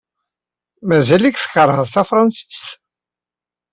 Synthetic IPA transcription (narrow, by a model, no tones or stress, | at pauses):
mæzælikθə̥çəɾˤhəðˤθæfɾˤɑnsi̥st̪